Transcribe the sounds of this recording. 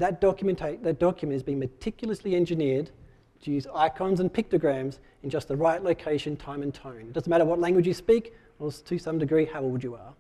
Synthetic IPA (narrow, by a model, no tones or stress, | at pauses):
ðɨt̚d̥ɑkjmɨ̃ntʰeɪðɨt̚d̥ɑkjɨmɨ̃ntɨzbĩɪ̃ŋmɨtʰɪkjl̩ˠəsliɛ̃nd͡ʒɨnɪɹd | tʰɨjʉzaɪkʰɑ̃nzɨ̃npʰɪk̚təɡɹæ̃mz | ɨ̃n̩d͡ʒʌst̪̚ðəɹaɪtˡloʊkʰeɪʃɨ̃ntʰãɪ̃mɨ̃ntʰə̃ʊ̃nt̚d̥ʌz̃n̩mæɾə˞wʌtˡlæ̃ŋɡwɨd͡ʒjɨspik | əstʰɨsʌ̃mdɨɡɹihaʊolˠd͡ʒɨə